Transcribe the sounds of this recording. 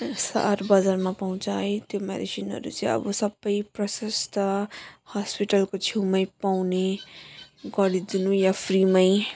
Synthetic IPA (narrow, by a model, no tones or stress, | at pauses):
sa̰ɾbʌd͡zaɾmapʌũt͡saet̪jomḛdisinɦʌ̰ɾṵt͡sĩʌ̰bʌsʌbːʌjprʌsʌst̪ʌhaspiʈʌlkot͡sʰiwmʌjpawne | ɡʌɽid̪inũjapʰɾimaj